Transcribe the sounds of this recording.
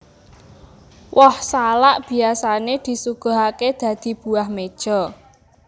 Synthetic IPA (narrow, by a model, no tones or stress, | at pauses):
wɔhsalaʔb̥i̤asaned̪̥i̤suɡ̥o̤ɦaked̪̥ä̤d̪̥i̤b̥ṳahmed̥ʒ̥ɔ̤